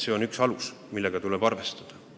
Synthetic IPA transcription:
seo̞nyksɑlusmilːe̞ɡ̥ɑt̪uleb̥ɑrve̞st̪ɑd̪̥ɑ

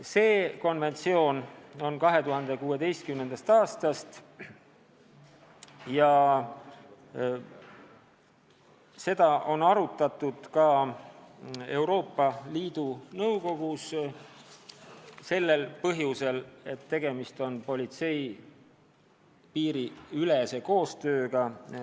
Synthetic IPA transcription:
se̞ːko̞nve̞nt̪sio̞ːno̞nkɑɦe̞t̪uɦɑnd̪e̞kuːe̞d̪e̞jst̪̚kymnend̪̥ɑst̪ɑːst̪ɑst̪ | jɑ | se̞d̪̥ɑʔo̞nɑɾut̪ːˑɑt̪ːˑud̪̥kɑ | e̞wɾo̞ːpːˑɑliːd̪̥unɤwko̞ɡus | se̞lːe̞lpɤɦjuse̞le̞t̪ːe̞ɡ̥e̞mist̪o̞npo̞lʲit̪se̞j | piːɾiylese̞ko̞ːst̪ø̞ːɡ̥ɑ

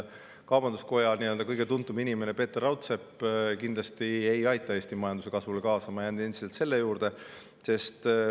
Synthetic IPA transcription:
kɑwb̥ɑnd̪usko̞jɑniøld̪ɑkɤjɡ̥e̞t̪unt̪ːˑuminime̞nepe̞ːt̪ːˑerɑwt̪se̞pːkind̪lɑst̪ie̞jɑjt̪ːˑɑe̞ːsʲt̪imɑjɑnd̪us̬e̞kɑsvulekɑːsɑmɑjæːnd̪ie̞nd̪̥iselt̪se̞lːe̞juːɾd̪̥e̞ | se̞st̪

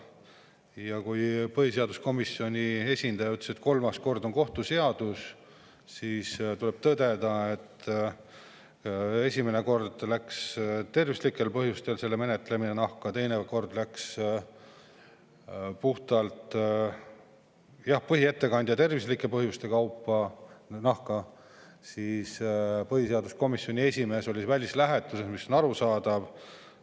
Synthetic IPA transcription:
jɑkujpɤɦise̞ɑd̪̥usko̞misːio̞nʲie̞sʲind̪̥ɑjɑyt̪le̥set̪ko̞lmɑsko̞rd̪o̞ŋko̞ht̪use̞ɑd̪̥us | siːst̪ule̞b̥̚t̪ɤd̪̥e̞d̪̥ɑe̞t̪ː | e̞sʲimene̞ko̞rd̪̥lækst̪e̞rvislikːˑe̞lpɤɦjust̪e̞lse̞lːeme̞net̪ːˑleminenɑhkɑt̪e̞jneko̞rd̪̥læks | puht̪ɑlt̪ | jɑhpɤɦie̞t̪ːe̞kɑnʲd̪jɑt̪e̞rvislikːˑe̞pɤɦjust̪e̞kɑwpˑːɑnɑhkɑ | siːspɤhise̞ɑd̪usko̞misːjonʲie̞sʲime̞ːso̞lʲisvælʲislæɦe̞t̪ːˑusesmisːonɑɾusɑːd̪̥ɑv̥

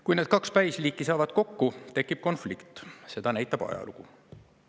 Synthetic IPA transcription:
kujne̞ːd̪̥kɑkspæjsliːkːˑisɑːvɑd̪̥ko̞kːut̪e̞kːˑip̚ko̞nflikt̪ˑse̞d̪̥ɑnæjt̪ˑːɑb̥ɑ̰jɑ̰lṵku

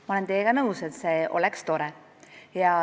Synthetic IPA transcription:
mɑole̞nt̪eːɡ̥ɑnɤuse̞t̪se̞ːʔo̞̰lekst̪o̞ɾe | jɑ

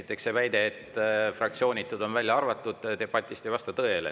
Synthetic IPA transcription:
i̥t̪ːˑe̞kse̞væjd̪e̞et̪ːˑfrɑk̚t̪sio̞ːnʲit̪ːˑud̪o̞nvælʲjɑɑrvɑt̪ˑːud̪̥t̪e̞b̥ɑt̪ʲːˑist̪e̞jvɑst̪ɑt̪ɤelḛ

